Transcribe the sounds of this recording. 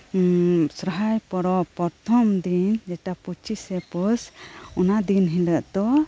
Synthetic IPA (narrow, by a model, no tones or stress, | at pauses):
sɾəɦajpɔɾɔpɔɾt̪ʰɔmd̪ind͡ʒɛʈaput͡ʃʰisɛpɔsɔnad̪inɦiləʔd̪ɔ